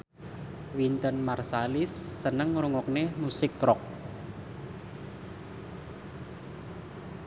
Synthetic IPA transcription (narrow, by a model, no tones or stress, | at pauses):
wint̪ənmarsalɪsːənəŋɾuŋɔk̚nemusɪkːɾɔk̚